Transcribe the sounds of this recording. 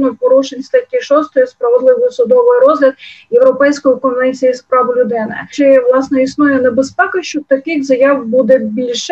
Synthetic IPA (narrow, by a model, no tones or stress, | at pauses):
nɔpɔɾuʃenʲsʲt̪at̚ʲiʃɔst̪ɔjispɾɐʋed̪lˠɪʋɔjʊsʊd̪ɔʋɪjɾɔzɦlʲɐd̪jewɾɔpɛjsʲkɔjikɔnʋɛnʲt͡sʲijispɾɑʋʊlʲʊd̪ɪnɛ̰t͡ʃɪʋlˠɑsnɛisnujɛnebespɛkɐʃt͡ʃɔt̪ɐkɪxzɐjɑwbud̪ɛbʲilʲʃ